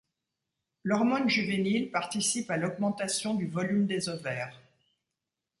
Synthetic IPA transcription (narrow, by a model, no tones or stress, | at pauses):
lɔʁmɔnʒyvenilpaʁt̪isipalɔɡmɑ̃t̪asjɔ̃d̪yvɔlymd̪ezɔvɛːʁ